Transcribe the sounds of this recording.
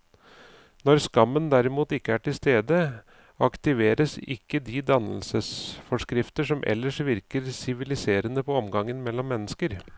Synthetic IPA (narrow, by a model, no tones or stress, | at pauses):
nɔɾskɑmːənd̪æɾɪmuːt̪ɪkːəæːʈɪlst̪eːd̪ə | ɑkt̪ɪʋeːɾəsɪ̰kːəd̪id̪ɑnəlsəsfɔʂkɾɪft̪əʂɔmʔɛ̰lːəʂʋɪɾkəɾsɪʋɪlɪseːɾənəpʰɔɔmɡɑŋːənmɛlːɔmːɛnːəskəɾ